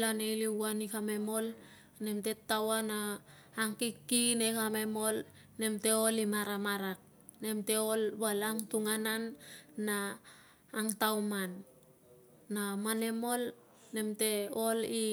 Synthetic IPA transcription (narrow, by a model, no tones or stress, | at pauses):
lanejliwanikame̞mo̞l | nemte̞tːawanaː | ŋkikːinekame̞mo̞l | ne̞mte̞olimaɾamaɾak̚ | ne̞mte̞olbalaŋtuŋananːaː | ŋtawman | amane̞mo̞l | ne̞mte̞oli